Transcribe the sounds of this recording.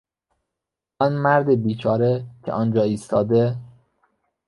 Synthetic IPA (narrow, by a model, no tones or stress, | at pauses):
ɒnmæɾd̪ebiːt͡ʃʰɒːɾecʰḛʔɒːnd͡ʒɒːiːst̪ʰɒːd̪e